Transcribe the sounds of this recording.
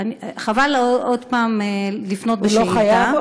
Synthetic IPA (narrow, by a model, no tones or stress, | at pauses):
aniχavalod̪paːmelifnot̪̚beloeχajdaav